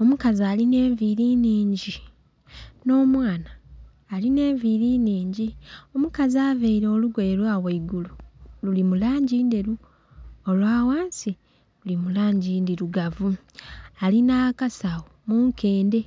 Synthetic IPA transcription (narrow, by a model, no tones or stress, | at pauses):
o̞mukazaːline̞ːɱviɾiːniːɲɟi | no̞ːmwaːnaː | line̞ːɱviɾiniːɲɟio̞mukazaːveiɾo̞ːluɡweːlwaːweiɡulululimulaːɲɟiːndeɾu | olwaːwaːnsi | lulimulaːɲɟiːndiɾuɡavu | alinakasawomuŋkʰe̞ːnde̞